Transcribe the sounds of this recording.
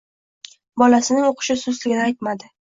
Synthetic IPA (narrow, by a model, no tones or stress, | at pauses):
bɒlasɪnɪŋoqʰɨ̥ʃɪsʊzlɪɡʲɪnɪajt̪mad̪ɪ